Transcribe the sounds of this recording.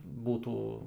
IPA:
ˈbuːtuː

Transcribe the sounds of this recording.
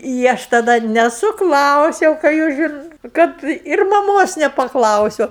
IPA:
ɪ ˈɐʃ tɐˈdɐ nʲɛsʊˈklˠɐʊsʲɛʊ kɑː ˈjuːs ʒʲɪn ˈkɐt ɪr mɐˈmoːs nʲɛpɐˈklˠɐʊsʲʊ

